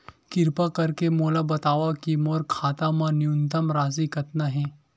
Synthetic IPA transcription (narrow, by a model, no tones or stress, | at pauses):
kɪɾpakɐɾkemoːlabɐt̪aːʋakimɔːɾkʰaːt̪amãnɪʊnt̪əmɾaːzikɐt̪naɦɛ̃ː